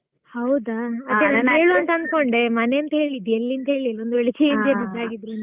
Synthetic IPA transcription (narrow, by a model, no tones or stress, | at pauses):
hɐwd̪aɐd̪ːenaanɦeːɭuɐnt̪ɐɐnd̪ko̞ɳɖe̞mɐne̞ɐnt̪ɐɦe̞ɭid̪elːiɐnt̪ɐɦeːɭilond̪ueɭit͡ʃiind̪emud̪aːɡid̪ɾunɐ